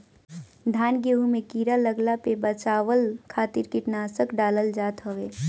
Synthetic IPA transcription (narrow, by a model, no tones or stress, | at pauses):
d̪ʱaːnɡeːɦumẽkiːɾaləɡlapebət͡ʃaːʋəlkʰaːt̪ɪɾkɪʈnaːsəkɖaːləld͡ʒaːt̪ɦɔʋeː